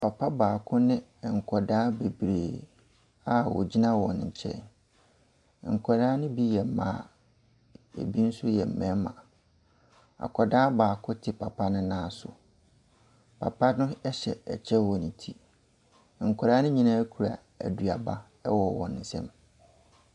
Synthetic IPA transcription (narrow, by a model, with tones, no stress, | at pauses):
pʰa˨pʰa˦baː˨kʰʊ˦nɪ̃˦˨ŋ̩˨kʰɔ˨daː˦be˨bɾeː˨ | a˦wɔ̰˨d͡ʑi˦nã˦wɔ̃˨n˨ɲ̩˨t͡ɕʰɛ̰˦n˨ | ŋ̩˨kʰʷɔ˨ɾaː˦nʊ̃˦bi˦jɛ˨m̩˦mã̰ː˦˨ | ḛ˨bi˦n̩˦sʊ˦jɛ˨m̩˨mɛ̃˦mã̰˨ | a̰˨kʰɔ˨daː˦baː˨kʰʊ˦tʰɪ˨pʰa˨pʰa˦nʊ̃˦nãː˦sʊ̰˨ | pʰa̰˨pʰa˦nʊ̃˦ɛ˦ɕɛ̰˨ɛ̰˨t͡ɕʰɛ˦wɔ˨nĩ˨tʰi˦˨ | ŋ̩˨kʰʷɔ˨ɾaː˦nʊ̃˦ɲĩ˨nãː˦kʰu˨ɾa̰˨ | æ̰˨du˨a˨ba˦ | ɛ˦wɔ˨wɔ̰̃˨nn̩˨sɛ̰̃˦m